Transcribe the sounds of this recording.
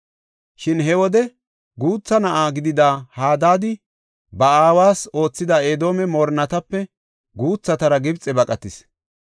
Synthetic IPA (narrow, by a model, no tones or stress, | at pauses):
ʃɪnɦɛwɔd̪ɛ | ɡuːt͡sːɐnɐʔaːɡɪd̪ɪd̪aːhaːd̪aːd̪ɪ | bɐaːwaːso̞ːt͡sːɪd̪ɐeːd̪o̞ːmɛmoːɾnɐt̪ɐpːɛ | ɡuːt͡sːɐt̪ɐɾɐɡɪbt͡sʼːɛbɐkʼɐt̪ɪs